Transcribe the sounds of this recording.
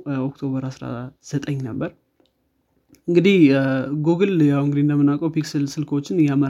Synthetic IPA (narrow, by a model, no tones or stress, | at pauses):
ok̚t̪ʰo̞βəɾasɾa̰z̥ət̪ʼəɲːnəbːəɾ | ɨŋɡɨd̪ihɡoɡɨljawɨŋɡɨd̪ind̪əmːɨnːakʼəwpiksəlsɨlkot͡ʃːɪnjamə